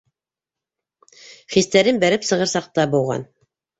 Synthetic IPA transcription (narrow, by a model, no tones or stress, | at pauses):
χist̪æɾɘnbæɾɘpsɤ̆ʁɤɾsɑq̚t̪ɑbuw̪ˠʁɑ̰n